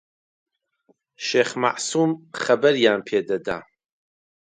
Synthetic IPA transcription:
ʃeːχma̰ʔsumχɐbɐɾjaːmpʰeːd̪ɐd̪a̰ː

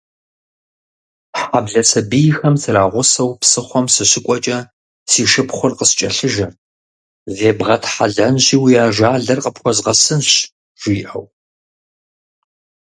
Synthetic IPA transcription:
ħabɮɐsɐbijxɐmsɨɾaːʁʷʊsɐwpsɨχʷɔmsɨɕɪkʷʼɔt͡ʃʼɐ | siːʃɨpχʷʊrqəst͡ʃʼɐɬɨʒɐ | zeːbʁɐtʰħa̰ɮɐnʑiːwijaːʒaːɮɐrqəpxʷɔzʁɐsɨnɕ | ʒ̥iːʔɐ̰w

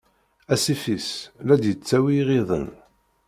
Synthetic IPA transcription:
æsifislæd̪jət͡sːæwiʁiðˤə̰n

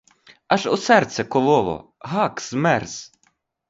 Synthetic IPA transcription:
aʒɔsɛrt̪sɛkɔlˠɔʋɔ̰ɦɑkz̥mɛrz̥

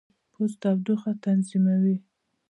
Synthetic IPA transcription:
pʰust̪abd̪uxat̪anzimawi

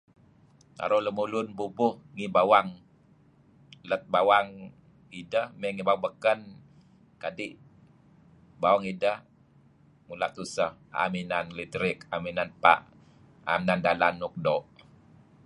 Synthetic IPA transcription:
t̪a̰ɾoləmulunbubʊhŋibawaŋ | lət̪̚bawaŋ | idəhmɛŋibawabəkən | kadiʔ | bawaŋidəh | mula̰ʔt̪usəha̰minanlitɾɪkaminanpa̰ʔ | a̰minandalanuk̚dɔʔ

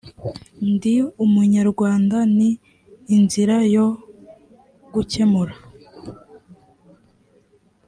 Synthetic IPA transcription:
ndiumuɲaɾɡwaːndaniː | nziɾajo̞ | ɡuce̞muɾa

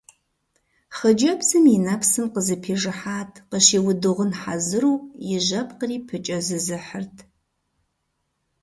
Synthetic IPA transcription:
χəd͡ʒɐpsɨmɪnɐpʰsɨmqəzɨpʰeːʐɨħaːtʰqəʃeːwʊdɨʁənħazɨruːjɪʒɐp̚ʰʼqəriːpʰɨt͡ʃʼɐzɨzɨħərtʰ

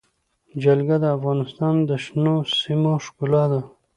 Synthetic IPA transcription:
d͡ʒalɡad̪əafɣɑnɪst̪ɑnd̪əʃnosimoʃkulɑd̪a

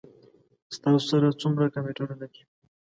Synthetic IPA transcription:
st̪ɑsosaɾat͡sumɾakameʈananaki

